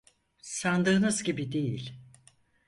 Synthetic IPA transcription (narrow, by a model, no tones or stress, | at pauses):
sand̪ɯːnɯzɟibid̪e̞jilʲ